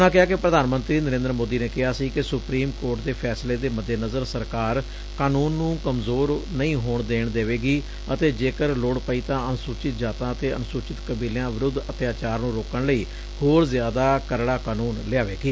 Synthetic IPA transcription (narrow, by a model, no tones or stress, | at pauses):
ʊnãːkɪɦaːkɪpɾəd̪aːnmə̃nt̪ɾiːnəɾẽːnd̪əɾmoːd̪iːneːkɪɦaːsiːkɪsʊpɾiːmkoːɾʈd̪eːpʰɛːsleːd̪eːməd̪jeːnəzəɾsəɾkaːɾ | kaːnuːnːũːkəmzoːɾnəĩːɦoːɳd̪eːɳd̪eːʋeːɡiː | ət̪eːd͡ʒeːkəɾloːɽpəiːt̪ãːənsʊːt͡ʃɪt̪̚d͡ʒaːt̪ãːət̪eːənsʊt͡ʃɪt̪kəbiːljãːʋɪɾʊd̪ət̪jaːt͡ʃaːɾnũːɾoːkəɳləiː | hoːɾzɪjaːd̪aːkəɾɽaːkaːnuːnlɪaːʋeːɡiː